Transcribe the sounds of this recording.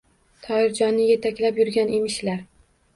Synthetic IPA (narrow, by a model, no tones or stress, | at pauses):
t̪ʰɒɪɾd͡ʒɒnːɪje̞t̪ʰakʲlapjʊɾɡʲanʔemɪʃlaɾ